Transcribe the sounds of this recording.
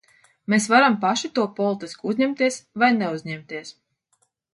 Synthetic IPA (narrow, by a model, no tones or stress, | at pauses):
meːsvaɾampaʃit̪uɔpɔlˠit̪iskuuzɲɛmt̪iɛsvajnɛuzɲɛmt̪iɛs